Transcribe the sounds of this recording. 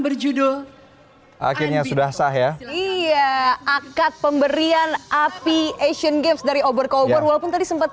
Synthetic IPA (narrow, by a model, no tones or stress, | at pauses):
bərd͡ʒudo | ʔa̰kirɲasudahsahjaiaʔakat̪̚pəmbəɾianʔapieʃiənɡɛmsdaɾiobərkəojbərwalawpʊnt̪adisəmpat̪̚